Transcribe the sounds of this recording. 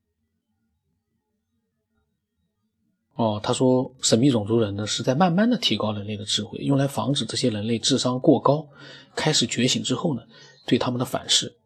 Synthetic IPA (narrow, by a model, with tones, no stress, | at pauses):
ɔ˥˩t̪ʰa˥ʂwɔ˥ʂə˧˩nmə˦i˥˩ʈ͡ʂʊ˨˩ŋt͡su˧˥ɻə˧˥nnə˧ʂɻ̩˥˧t͡sa˥˧ɪma˥˧nma˥˩nd̪ə˩t̪ʰi˧˥kɑ˥ʊɻə˧˥nle˥˩ɪd̪ə˩ʈ͡ʂɻ̩˥˧xwe˥˩ɪjʊ˥˩ŋla˧˥ɪfɑ̰˧˥ŋʈ͡ʂɻ̩˨˩ʈ͡ʂɤ˥˩ɕjɛ˥ɻə˧˥nle˥˧ɪʈ͡ʂɻ̩˥˩ʂɑ˥ŋkwɔ˥˩kɑ˥ʊkʰa˥ɪʂɻ̩˨˩t͡ɕɥɛ˧˥ɕi˧˥ŋʈ͡ʂɻ̩˥xo˥˩ʊnə˩t̪we˥˩ɪt̪ʰa˥mə˨nd̪ə˩fa̰˨˩nʂɻ̩˥˩